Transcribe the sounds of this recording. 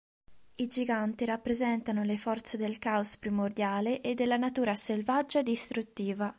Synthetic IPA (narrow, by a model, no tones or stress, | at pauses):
id͡ʒiɡant̪iɾapːɾezɛnt̪anolefɔrt̪sed̪elkaospɾimord̪jaːleʔed̪ːelːanat̪uːɾaselvad͡ʒːad̪ist̪ɾut̪ːiːva